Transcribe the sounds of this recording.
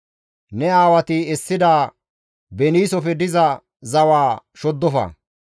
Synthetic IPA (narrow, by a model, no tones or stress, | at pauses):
nɛaːwɐt̪ɪɛsːɪd̪aː | bɛniːsɔfɛd̪ɪzɐ | zɐwaːʃɔd̪ːɔfɐ̰ː